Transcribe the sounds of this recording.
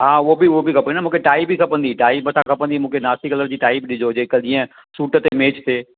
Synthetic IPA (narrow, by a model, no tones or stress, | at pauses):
ɦãːʋobʱiʋobʱikʰɐpənːnamũːkʰeʈaːɪbikʰɐpənd̪iʈaːɪbɐsãkʰɐpə̃nd̪imũːkʰenaːsikələɾd͡ʑiːʈaːɪbɗɪd͡ʒod͡ʑeːkəɗiə̃ | suːʈt̪emẽːt͡ʃt̪eː